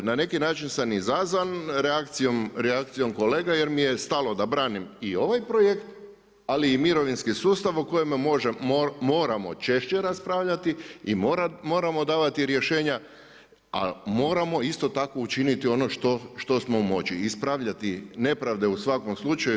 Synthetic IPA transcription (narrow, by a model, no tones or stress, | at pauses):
nane̞kinaːt͡ʃinsamizazʋanɾeakt̪sijo̞mɾeak̚t̪sijo̞mko̞leːɡaje̞ɾmije̞st̪alˠo̞d̪abɾaːnimio̞ʋajpɾo̞je̞kt̪ | aliːmiɾo̞ʋinskisuːst̪aʋoko̞jemmo̞ʒemoːɾamo̞̰t͡ʃe̞ʃt͡ʃeɾaspɾaːʋʎat̪iimoɾamo̞ːɾamo̞d̪aːʋat̪iɾje̞ʃe̞ːɲa | a̰mo̞ːɾamo̞ist̪o̞t̪ako̞ut͡ʃinit̪io̞noʃt̪oʃt̪o̞smo̞umo̞t͡ɕiispɾaʋʎat̪ine̞pɾaʋd̪e̞usʋako̞mslˠut͡ʃaju